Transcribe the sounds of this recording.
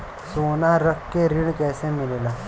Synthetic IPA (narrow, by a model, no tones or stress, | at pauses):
sonaɾəkːeɾiɳkɛjsẽmilela